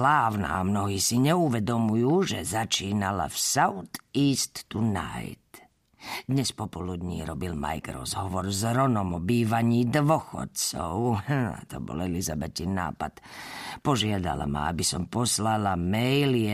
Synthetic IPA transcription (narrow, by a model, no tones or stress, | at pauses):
laːʋna̰ːmno̞ɦiːsiɲɛuʋɛd̪omujuːʒɛzat͡ʃiːnala̰fsaut̪iːst̪ːuna̰jt̪ | d̪ɲespopolud̪ɲḭːɾobilma̰jkɾozɦoʋoɾzɾonomobiːʋaɲiːd̪ʋoxo̰t̪sowht̪obo̰lelizabet̪inːa̰ːpat̪po̞ʒjad̪a̰la̰ma̰a̰bisompo̞slalamɛjli